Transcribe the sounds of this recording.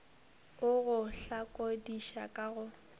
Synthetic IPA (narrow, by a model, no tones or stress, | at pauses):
ʊɣʊɬakʼodiʃakʼaɣʊ